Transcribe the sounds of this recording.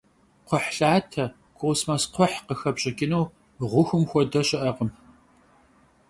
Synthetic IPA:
qʷɔħɬaːtʰɐ | kʰʷowsmaːsqʷʰɔħqəxɐbɕɐkʲɪnuː | ʁʷʊxʷʊmxʷɔdɐɕʼɪʔɐʁəm

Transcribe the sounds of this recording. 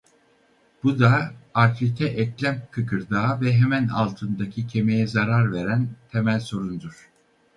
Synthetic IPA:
b̥ud̪aːɾt̪it̪ʰɛʔɛclʲæmkʰɯkʰɯɾd̪aːvɛɦemæna̰lˠt̪ʰɯnd̪acʰicʰe̞me̞jɛzaɾaɾve̞ɾænt̪ʰe̞mælʲso̞ɾund̪uɾ̥

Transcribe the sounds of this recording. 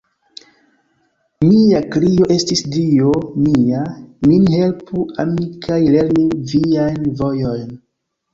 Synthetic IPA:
miakɾijo̞ʔe̞stisdiomiaminihe̞lpuamikʰajle̞ɾmiviajnvo̞jo̞jn

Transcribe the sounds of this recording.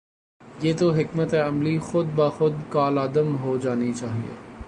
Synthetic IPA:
jeːt̪oɦɪkmət̪eɐmlixʊd̪̚baːxʊd̪kaːlaːd̪əmɦod͡ʒaːnit͡ʃaːɦḭḛː

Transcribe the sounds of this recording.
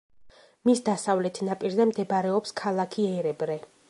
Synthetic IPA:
misd̪asavlɛt̪ʰnapʼiɾzɛmd̪ɛbɾɛɔpskʰalˠakʰiɛɾɛbɾɛ

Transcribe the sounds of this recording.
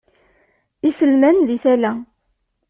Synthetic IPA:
isəlmænðiθælæ

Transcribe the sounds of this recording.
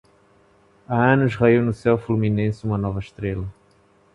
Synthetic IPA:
ɐɐ̃nʊzʁaiwnʊsɛwfluminẽsɪumɐnɔvɐʃt̪ɾelɐ

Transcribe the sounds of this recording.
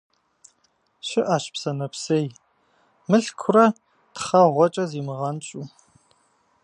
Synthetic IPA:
ɕɪʔaːʃpsɐnɐpsej | mɨɬkʷʰʊrɐ | tχɐʁʷɔt͡ʃʼɐziːmɨʁɐnt͡ʃʼu

